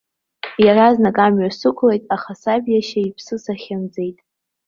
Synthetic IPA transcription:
jaraznakʼamɥasɨkʷʰlejtʼaχasabjaʃaipʰsɨsaχʲamd͡ze̞jtʼ

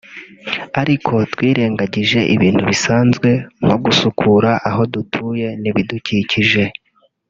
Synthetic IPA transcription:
aɾikʰo̞twiːɾe̞ːŋɡaɟiʒe̞ʔiβiːn̥huβisaːnzɡwe̞ŋ̥o̞ɡusukʰuɾaʔaɦo̞dutʰuːje̞niβiduciciʒe̞

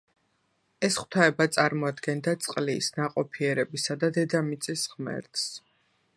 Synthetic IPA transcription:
ɛsχwt̪ʰaɛbat̪sʼaɾmɔad̪ɡɛnd̪at̪sʼqʼlisnaqʼɔpʰiɛɾɛbisad̪ad̪ɛd̪amit̪sʼisʁmɛ̰ɾt̪s

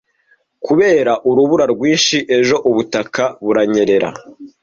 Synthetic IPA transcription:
kuβe̞ːɾaʔuɾuβuɾaɾɡwiːnʃiʔe̞ʒo̞ʔuβutakaβuɾaɲe̞ɾe̞ɾa̰

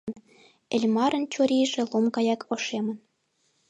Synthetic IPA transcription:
n | ɘ̆lʲmɑɾə̆nt͡ɕoɾʲiʒĕlˠomkɑjɑkʰoʃemə̆n

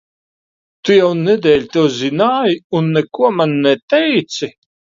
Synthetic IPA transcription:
t̪ujawnɛd̪ɛːlʲt̪uːzinaːjunːɛkuɔmanːɛt̪ɛjt̪si

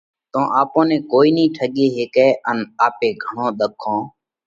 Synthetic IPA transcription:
t̪õːʔaːpõːnẽːkoːiːnĩːʈʰəɠeːɦɪkeːʔənaːpeːɡʱəɳõːɗ̪əkʰːõː

